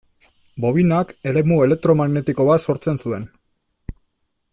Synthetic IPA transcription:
bo̞βinake̞le̞mue̞le̞k̚t̪ɾo̞maɣne̞t̪iko̞βaso̞ɾt͡se̞nsue̞n

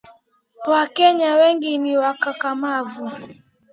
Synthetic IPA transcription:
wakɛɲawɛŋɡiniwakakamavu

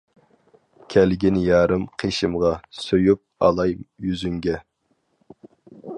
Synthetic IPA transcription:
kʲʰɛlɡʲɪnjɑːɾɨmqʰeʃɪmʁɑsøjyp̚ɑ̰lˠɑjjyzyŋɡʲɛ

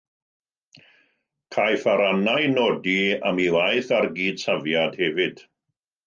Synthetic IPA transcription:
kʰajθaɾanajnoːdia̰miwajθarɡiːd̥savjad̥hɛvɪd̥

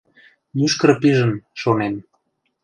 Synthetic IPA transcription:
myʃkəɾpiʒə̆nʃonem

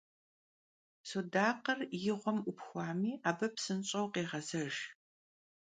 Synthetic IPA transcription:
sodaːqərjɪʁʷɔmʔʷʊpxʷɑːmiːʔaːbɐpsɨnɕʼɐwqeːʁɐzɐʒ

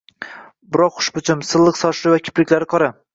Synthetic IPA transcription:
bɪɾɒqχʊ̥ʃbʊt͡ʃʰɪmsɨlˠːɨqsɒʃɪɾɪvakʲʰɪ̥plɪkʲlaɾɪqʰɒɾa

